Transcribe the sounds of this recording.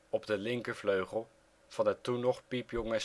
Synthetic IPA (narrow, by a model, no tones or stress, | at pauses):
ɔbdəlɪŋkəvløɥχəlˠ | v̥ɑnətunɔχpipjɔŋə